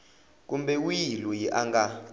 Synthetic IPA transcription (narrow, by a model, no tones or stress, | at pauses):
k̬ʼumbɛujilujiʔaŋɡa